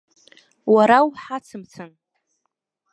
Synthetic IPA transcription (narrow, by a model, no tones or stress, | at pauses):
waɾawħat͡sʰɨmt͡sʰɨn